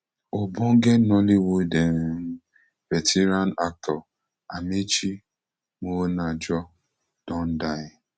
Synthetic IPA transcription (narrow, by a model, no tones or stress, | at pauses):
ɔbɔŋ̩ɡenɔliwode | vetʰeɾanak̚tʰɔ | amet͡ʃi | monad͡ʒɔ | d̥ɔn̩daɪ